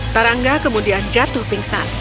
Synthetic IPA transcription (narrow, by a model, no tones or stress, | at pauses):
t̪aɾaŋɡakəmudiand͡ʒat̪upiŋsan